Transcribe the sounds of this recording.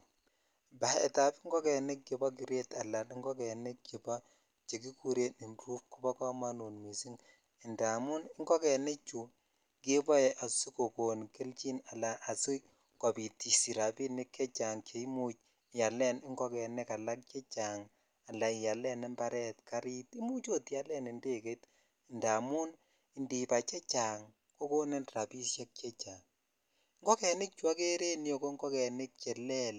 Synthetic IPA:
ba˨ɛ̰˨ta˨pi˦ŋɡɔ˦kɛ˨ne˦k̚ke˨bɔ˦k̬i˨ɾe˦ta˨la˨ni˦ŋɡɔ˦kɛ˨ne˦kki˨bɔ˦ | t͡ʃe˨ki˦ku˦ɾe˦i˨nɾu˦p̚ku˨˦bɔ˦kɔ˦ma˦nu˨nmi˨si˦ŋ | ɛ˨nda˨mu˦nɪ˦ŋɡɔ˦kɛ˨ne˦t͡ʃu˨ | ke˦bɔ˦ɛ˨ʔa˨su˦ko˨ko˨nke˦lt͡ʃi˦na˨la˨ʔːsu˦ | kɔ˨bi˨ti˨si˨ɾa˨bi˦nɪ˦kːɛ˦t͡ʃa˨ŋke˨i˦mu˦t͡ʃ | ja˨lɛ˦n˦ŋɡɔ˦kɛ˨ne˦ka˨la˦k̚t͡ʃɛ˦t͡ʃa˨ŋ | a˨la˨i˨ja˨lɛ˦nɛ˦mba˦ɾɛ˦tka˦ɾi˦ti˦mu˦t͡ʃo˦tja˦lɛ˦nɪ˨nde˦˨ke˦t | nda˨mu˦n | i˨ndi˨pa˨t͡ʃɛ˦t͡ʃa˨ŋ | ko˦ko˦nɛ˦nra˨pi˦sjɛ˦k̚t͡ʃɛ˦t͡ʃa˨ŋ | ŋɡɔ˦kɛ˨nɪ˦k̚t͡ʃwa˦ke˦ɾe˦n˦o˨ko˦ŋɡɔ˦kɛ˨nɪ˦k̚t͡ʃɛ˨lɛ˦l

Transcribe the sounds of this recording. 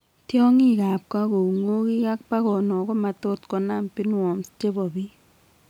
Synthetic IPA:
tjɔ˦ŋi˦˨ka˨p̚ka˦ko˨ŋo˦ki˦ka˦k̚pa˦kɔ˨nɔ˨kɔ˦ma˨to˦tkɔ˨na˦˨mpi˦nwɔ˨mt͡ʃe˦bɔ˨bi˦

